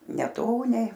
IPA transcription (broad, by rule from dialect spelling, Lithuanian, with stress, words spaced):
nʲɛˈtoːnʲɛɪ